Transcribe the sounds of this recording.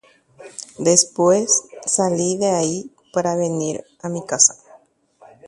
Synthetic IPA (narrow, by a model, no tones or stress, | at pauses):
d̪espwesːaliðeai | paɾaβeniɾ | amikasḁ